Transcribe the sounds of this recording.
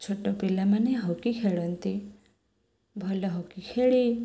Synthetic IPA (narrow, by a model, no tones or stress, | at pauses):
t͡ʃʰoʈɔpilamaneɦɔkikʰeɭɔnt̪i | bʱɔlɔɦɔkikʰeɭi